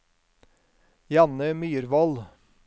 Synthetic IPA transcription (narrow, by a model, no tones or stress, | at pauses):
jɑnəmyːɾʋɔl